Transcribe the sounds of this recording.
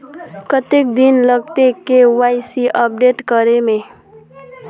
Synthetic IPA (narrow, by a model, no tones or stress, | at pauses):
kʌt̪ek̚d̪inlʌɡ̚t̪ekewajsiʔʌp̚ɖeʈkʌɾeme